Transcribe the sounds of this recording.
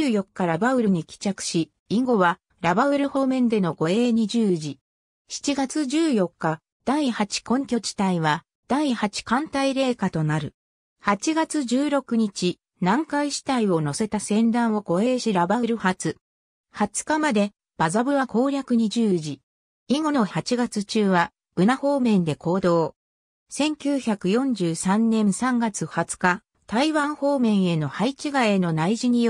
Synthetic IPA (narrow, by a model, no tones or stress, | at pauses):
ɨːjo̞kːaɾabaɯ̟ɾɯ̟ɲ̟ikʲi̥t͡ɕakɯ̟̥ɕi | iŋɡo̞βa | ɾabaɯ̟ɾɯ̟ho̞ːmẽ̞nd̪e̞no̞ɡo̞e̞ːɲ̟iʑɨːʑi | ɕi̥t͡ɕiɡat͡sɨʑɨːjo̞kːa | d̪̥aihat͡ɕi̥kõ̞ŋkʲo̞t͡ɕi̥t̪aiβa | d̪̥aihat͡ɕi̥kãnt̪aiɾe̞ːkat̪o̞naɾɯ̟ | hat͡ɕiɡat͡sɨd͡ʑɨːɾo̞kɯ̟ɲ̟it͡ɕi | nãŋkaiɕi̥t̪aio̞no̞se̞t̪asẽ̞nd̪ãɰ̃o̞ɡo̞e̞ːɕiɾabaɯ̟ɾɯ̟hat͡sɨ | hat͡sɨ̥kamad̪e̞ | b̥azabɯ̟βako̞ːɾʲakɯ̟ɲ̟iʑɨːʑi | iŋo̞no̞hat͡ɕiɡat͡sɨt͡ɕɨːβa | ɯ̟naho̞ːmẽ̞nd̪e̞ko̞ːd̪o̞ː | sẽ̞ŋkʲɨːçakɯ̟jõ̞ɲ̟d͡ʑɨːsãnːẽ̞ɰ̃sãŋɡat͡sɨhat͡sɨ̥ka | t̪aiβãɰ̃ho̞ːmẽ̞ɰ̃e̞no̞hait͡ɕiɡae̞no̞naiʑiɲ̟io